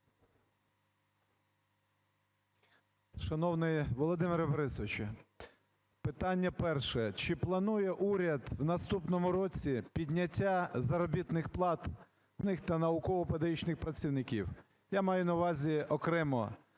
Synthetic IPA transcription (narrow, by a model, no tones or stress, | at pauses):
ʃɐnɔwnɪjʋɔlˠɔd̪ɪmɪɾɐbɐɾɪsɔʋɪt͡ʃɪ | pɪt̪ɑnʲːɐpɛrʃɛt͡ʃɪplˠɐnujɛʔuɾʲɐd̪wnɐst̪upnɔmʊɾɔt͡sʲipʲid̪ʲnʲɐtʲːazɐɾɔbʲit̪nɪxplˠɑt̪ | nɪxt̪ɐnɐʊkɔʋɔped̪ɐjit͡ʃnɪxpɾɐt͡sʲiwnɪkʲḭw | jamɑjʊnɐʋɑzʲiɔkɾɛmɔ̰